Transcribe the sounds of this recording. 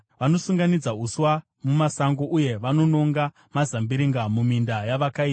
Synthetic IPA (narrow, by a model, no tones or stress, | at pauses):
ʋano̞suŋɡanid͡zauswa | mumasaŋɡo̞ʔuje̞ʋano̞no̞ŋɡa | mazambiɾiŋɡamumindajaʋakaiːa